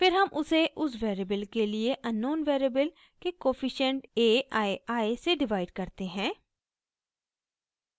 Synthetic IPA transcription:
fɪɾɦɐmʔʊseʔʊs̬ʋeːɾebəlkelieʔɐnːoːnʋeːɾebəl | kekoːfɪʃə̃ɳʈeːaeaːeseɖɪʋaːɪɖkɐɾt̪eɦɛ̃ː

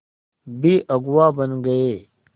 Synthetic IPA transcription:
biːʔɐɡwaːbɐ̃nɡɐjeː

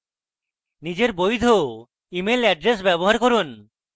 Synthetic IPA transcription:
nid͡ʑeɾbojd̪ʱo | imelɛɖɾes̬bɛboɦaɾkoɾun

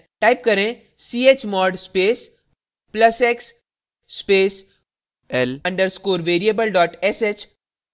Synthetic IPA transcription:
ʈaip̚kəɾẽ | siːet͡ʃmɔːɖspeːs | pləseksː | peːs | elɐ̃ɳɖəɾskoːɾʋeːɾiebəlɖɔːʈeset͡ʃ

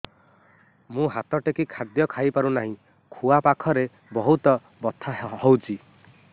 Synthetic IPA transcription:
mũɦat̪ɔʈekikʰad̪jɔkʰajpaɾunaɦĩ | kʰuapakʰɔɾe | bɔɦut̪ɔ | bɔt̪ʰahɔwt͡ʃʰi

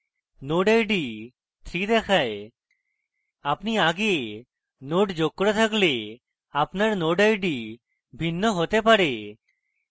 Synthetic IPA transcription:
noɖəjɖi | t̪ʰɾid̪ɛkʰae | apniaɡe | noʈd͡ʒokːɾɔt̪ʰakle | apnaɾnoɖəjɖi | bʱinːɔɦot̪epaɾe

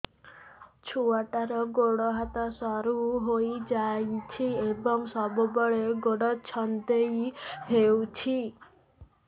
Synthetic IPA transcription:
t͡ʃʰuaʈaɾɔɡoɽɔɦat̪ɔsɔɾuɦojd͡ʒajt͡ʃʰiebɔŋsɔbubɔɭeɡoɽɔt͡ʃʰɔnt̪ejɦewt͡ʃʰi

